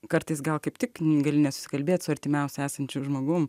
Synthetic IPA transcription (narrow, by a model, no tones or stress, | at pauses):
kɐɾt̪ɐɪsɡɐlˠkɐɪpt̪ʲɪkɡɐlʲɪnʲɛsʊ̥sʲɪ̥kɐlʲbʲeːt̪ʲsʊɐɾʲt̪ʲɪmʲɛʊsʲɛæːsɐnʲt͡ʃʲʊʒmoːɡʊm